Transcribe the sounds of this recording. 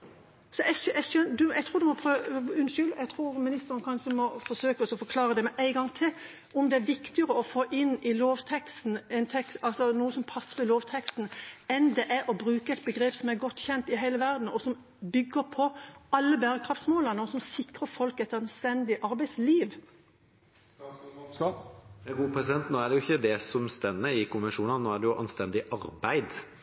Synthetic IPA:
sɔʔɛɛʃœd̪ʉɛɡt̪ʰuːɾd̪ʉmɔpʰɾøʉnʃʏlɛɡt̪ʰʁuːɾmɪnɪst̪əʁənkʰɑnʃəmɔfɔsøːkəɔsɔfɔkʰlɑːʁəd̪ɛmɛʔæɪɡɑŋt̪ʰɪl | ʔɔmd̪ɛæɾʋɪkt̪ɪəʁəɔfoːʔɪnɪloːʋt̪ʰɛkst̪n̩ɛnt̪ʰɛkst̪ɑlsɔnuːəsɔmpʰɑsːəʁɪloːʋt̪ʰɛkst̪n̩ɛnd̪ɛʔæɾɔbɾʉːkəɛɪt̪̚bəɡɾeːpsɔmæɾɡɔt̪ːçɛnt̪ɪɦæɪləʋæʁd̪n̩ɔsɔm | bʏɡːəɾpʰɔʔɑlːəbæːɾəkʰʁɑft̪smoːlɑnəɔsɔmsɪkʁəfɔlkɛt̪ɑnst̪ɛnd̪ɪʔɑɾbæɪsliːʋ | ɡuːpʰɾɛsɪd̪ɛnt̪noːæɖɛjʊɪçːəd̪ɛsɔmst̪ɛnːəɪkʰʊnʋɛʂuːnɑnnoːæɖ̪ɛjʊʔɑ̰nst̪ɛnd̪ɪʔɑɾbæɪd̪

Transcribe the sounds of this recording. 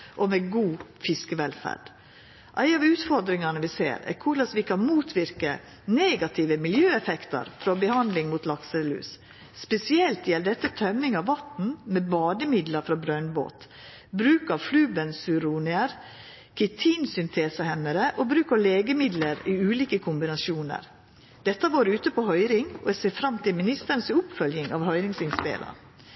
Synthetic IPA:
ʔomɛɡuːfɪskəʋɛlfæ̰ɖ̥ | ʔæɪɑʋʉːt̪fɔɾd̪ɾɪŋɑnəʋɪsḛːɾæ̰ɾkʰʊɭɑsʋɪkʰɑnmuːt̪ʰʋɪɾkə̰ | neːɡɑt̪ʰɪʋəmɪljøːɛfɛkt̪ɑ̰ɾfɾɔbəhɑnd̪lɪŋmut̪lɑksəlʉ̰ːs | spɛsɪɛlt̪jɛlɖ̪ɛt̪ːət̪ʰœmːɪŋɑʋʋɑt̪n̩mɛbɑːd̪əmɪd̪ləɾfɾɔbɾœnbo̰ːt̪ | bɾʉːkɑflʉːbənsʉɾuːnɪəɾ | kʰɛt̪ʰiːnsʏnt̪ʰeːsəhɛnːəɾəʔobɾʉːkəɾleːɡəmɪd̪ləɾiːʉːliːkəkʰʊmbɪnɑsuːnə̰ɾ | d̪̥ɛt̪ːəʋoːɾʉːt̪əpʰɔhœʏɾɪŋɔɛseːfɾɑmt̪ʰɪlmɪnɪst̪əɾnsʊpfœljɪŋɑ̰ʋhœʏɾɪŋsɪnsp̪ḛːlə̰ɾ

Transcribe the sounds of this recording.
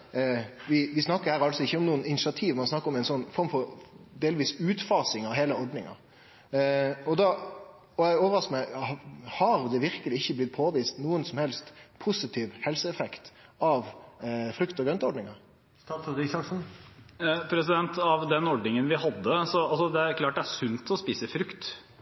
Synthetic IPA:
ʋɪʋɪsnɑkːəɾhæːɾɑlsɔɪçːəɔmnuːənɪnɪʃɪɑt̪ʰiːʋmɑnsnɑkːəɾɔmɛɪnsɔnːfɔɾmfɔɾd̪eːlʋiːsʉːt̪fɑːsɪŋɑʋɦeːləɔɾɖnɪŋɑ̰ | ɔd̪ɑ | ɔɛɪoːʋəɾɑskəmæɪhɑɾd̪ɛʋɪɾkəlɪɪçːəblɪt̪̚pʰoːʋiːst̪nuːənsɔmhɛlst̪pʰʊsɪt̪ʰiːʋhɛlsəɛfɛkt̪ɑʋfɾʉkt̪ɔɡɾœnt̪ɔɾɖnɪŋɑɾ | st̪ɑːsd̪ɪsɑksn̩ | pʰɾɛsɪd̪ɛnt̪ɑʋd̪ɛnɔɖnɪŋənʋɪhɑd̪ːəsɔɑlsɔd̪ɛæɾkʰlɑːʈ̚d̪ɛæʂʉnt̪ʰɔspiːsəfɾʉkt̪

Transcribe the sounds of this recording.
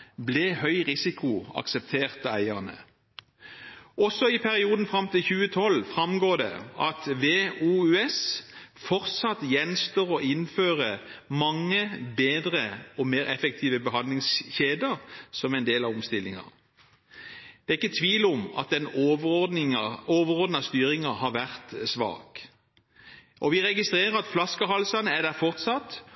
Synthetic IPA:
bleːhœʏʁɪsɪkʊɑ̰ksɛp̚t̪ʰeːʁt̪ɑæɪənə̰ | ɔsːɔɪpʰæʁɪuːd̪n̩fʁɑmt̪ɪlçʉːət̪ʰɔlfʁɑmɡoːd̪ɛ̰ɑ̰t̪ʋeːuːʉɛsfɔʁt̪sɑt̪jɛnst̪oːʁɔʔɪnføːʁəmɑŋːəbeːd̪ʁəɔmeːʁɛfɛk̚t̪ʰiːʋəbəɦɑnd̪lɪŋsçeːd̪əʁsɔmɛɪnd̪eːlɑʋɔmst̪ɪlːɪŋɑ̰ʁ | d̪̥ɛːɪkːət̪ʰʋiːlʊmɑ̰t̪̚d̪ɛnoʋd̪ɪoːʋəʁɔʁd̪nɑst̪yːɾɪŋɑhɑɾʋæʁt̪sʋɑ̰ːk | ʔɔʋɪʁɛɡɪst̪ʁeːʁəɾɑt̪flɑskəɦɑlsɑnəæd̪æfɔʁt̪sɑt̪

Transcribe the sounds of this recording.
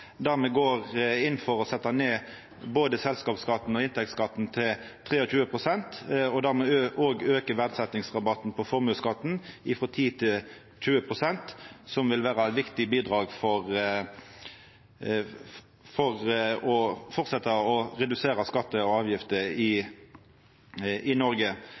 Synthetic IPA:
d̪æʁmɛɡoːʁɪnfɔʁɔsɛt̪ːɑneː | boːd̪əsɛlskɑːpskɑt̪ːn̩ɔɪnt̪ʰɛkt̪skɑt̪ːnt̪ʰɪl | t̪ʰʁeːɔc͡çʉːəpʰʁʊsɛnt̪ɔd̪æʁmɛøʔoːɡøːkəʋæʁd̪sɛt̪nɪŋsʁɑbɑt̪n̩pʰɔfɔʁmʉːskɑt̪ːn̩ɪfɾɔt̪ʰiːt̪ʰɪl | c͡çʉːəpʰʁʊsɛnt̪sɔmʋɪlʋæːʁəɛt̪ʋɪkt̪ɪbiːd̪ʁɑːɡfɔʁ | fɔʁɔfɔʁt̪sɛt̪ɑɔʁɛd̪ʉseːɾɑskɑt̪ːəɔɑːʋjɪft̪əɪ | ɪnɔɾɡə

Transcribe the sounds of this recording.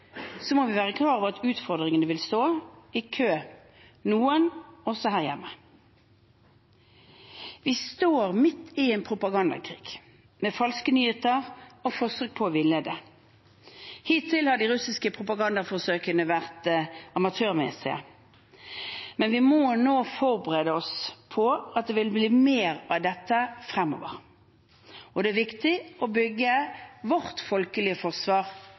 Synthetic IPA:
sɔmɔʋɪʋæːʁəkʰlɑːʁɔʋəʁɑt̪ʉːt̪fɔʁd̪ʁɪŋənəʋɪlst̪oːɪkʰøː | nuːənɔsɔhæːʁjɛmːə | ʋist̪oːʁmɪt̪ːɪeːnpʰʁʊpɑɡɑnd̪ɑ̰kʰʁḭːɡ̥ | mefɑlskənyːheːt̪əʁɔfoːsøk̚pʰɔːʋɪled̪ə | hiːt̪ʰɪlhɑɖ̪iʁʉsɪskəpʰʁʊpɑɡɑnd̪ɑfɔsøːkənəʋæʁt̪ɑmɑt̪ʰøːʁmɛ̰sɪə̰ | mɛnʋɪmɔnoːfɔʁbəʁeːd̪əɔspʰɔɑt̪̚d̪ɛʋɪlbliːmeːʁɑʋd̪ɛt̪ːəfʁɛmːɔ̰ːʋə̰ʁ | ɔd̪ɛæʋɪkt̪ɪʔɔbʏɡːəʋɔʁt̪fɔlkəlɪəfɔʁsʋɑːʁ

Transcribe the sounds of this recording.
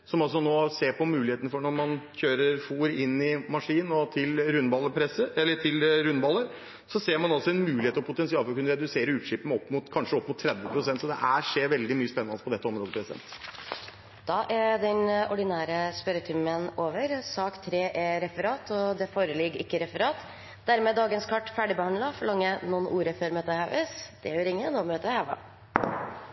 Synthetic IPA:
sɔmɑlsɔnoːseːɾpʰɔmʉːlɪeːt̪nəfɔɳɔɾmɑnçøːɾəɾfuːɾɪnːɪmɑʂiːnn̩ɔt̪ʰɪlɾʉnbɑlːəpʰɾɛsəɛlːəʈʰɪlɾʉnbɑlːəɾ | sɔseːɾmɑnɑlsɔɛnmʉːlɪheːt̪əɾɔpʰʊt̪ɛnsɪɑːlfɔɾkʰʉnːəɾɛd̪ʉseːɾəʉːt̪ʂɪpəmɔpːmʊt̪kʰɑnʂəɔpːmʊt̪ʰːɾɛd̪ʋəpʰɾʊsɛnt̪sɔd̪ɛ̰ʔæːʂeːɾʋɛld̪ɪmyːəspɛnːɑnəspʰɔd̪ɛt̪ːəɔmɾoːd̪əpʰɾɛsɪɛ̰nt̪ | d̪̥ɑʔæd̪ɛnɔɖɪnæːɾəspœɾət̪ʰʏmənoːʋəɾsɑːkt̪ʰɾeːʔɛɾɛfəɾɑːt̪ʰɔd̪ɛfoːɾəlɪɡɪkːəɾɛfəɾɑːt̪ | d̪æɾmɛːd̪ɑːɡənskʰɑʈːfæɖɪbəhɑnd̪lɑfɔɭɑŋːənuːənʔuːɾəføːɾmøːt̪əhɑʋəsd̪̥ɛʋəɾɪŋːənoːmøːt̪əhɑʋɑ̰

